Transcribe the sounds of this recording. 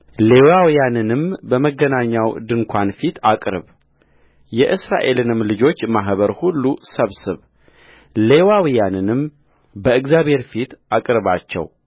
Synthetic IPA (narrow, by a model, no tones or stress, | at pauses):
le̞wawijanɨnɨmbəməɡənaɲːawd̪ɨŋkʷʰanfit̪ʰakʼɾɨ̰β | jɛʔɨsɾa̰ʔe̞lɨnɨmlɨd͡ʒo̞t͡ʃːmaɦβəɾhulːusəβsɨβ | le̞wawijanɨnɨm | bəɨɡzjaβhe̞ɾfit̪akʼɾɨβat͡ʃːɛ̰w